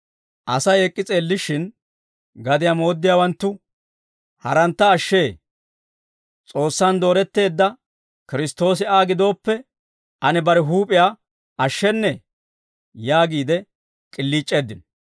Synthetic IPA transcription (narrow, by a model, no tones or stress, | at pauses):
ʔɐsɐjɛkʼːɪt͡sʼeːlːɪʃɪn | ɡɐd̪ɪjamo̞ːd̪ːɪjaːwɐnt̪ːʊ | hɐɾɐnt̪ːɐːʃːe̞ː | t͡sʼo̞ːsːand̪o̞ːɾɛt̪ːe̞ːd̪ːɐ | kɪɾɪst̪o̞ːs̬ɪaːɡɪd̪o̞ːpːɛ | ɐnɛbɐɾɛɦuːpʼɪjaː | ɐʃːɛnːɛ | jaːɡiːd̪ɛ | kʼɪlːiːt͡ʃʼːe̞ːd̪ːɪn